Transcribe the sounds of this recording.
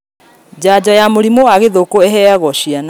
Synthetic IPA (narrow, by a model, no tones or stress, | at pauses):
d͡ʑad͡ʑɔjamoɾimowaɣeðokoɛɦɛaɣɔɕiana